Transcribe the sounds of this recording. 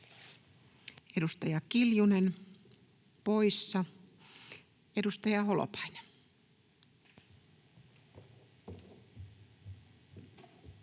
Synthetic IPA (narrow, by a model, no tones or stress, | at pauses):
edust̪ɑjɑkiljunen | poisːɑ | edust̪ɑjɑholo̰pɑine